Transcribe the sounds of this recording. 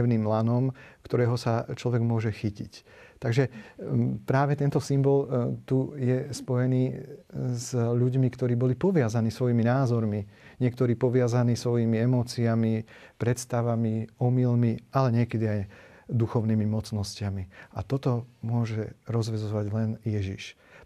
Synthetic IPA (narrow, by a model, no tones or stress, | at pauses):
ɛʊniːmlanɔmkt̪ɔɾɛːɦɔsat͡ʃlɔʋɛɡmʊɔʒɛxicict̪aɡʒɛ | pɾaːʋɛt̪ɛnt̪ɔsimbɔlt̪ujɛspɔjɛniː | zʎuɟmikt̪ɔɾiːbɔlipɔʋɪazaniːsʋɔjiːminaːzɔɾmiɲɪɛk̚t̪ɔɾiːpɔʋɪazaniːsʋɔjimiɛmɔːt͡siamipɾɛt̪st̪aʋamiɔmilmialɛɲɪɛkɛd̪iaj | d̪uxɔʊniːmimɔt͡snɔscɪamiat̪ɔt̪ɔmʊɔʒɛɾɔzʋɛzɔɔʋaɟlɛnjɛʒḭʃ